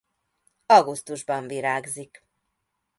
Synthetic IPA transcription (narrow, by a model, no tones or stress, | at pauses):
ɒɡust̪uʒbɒɱviɾaːɡzik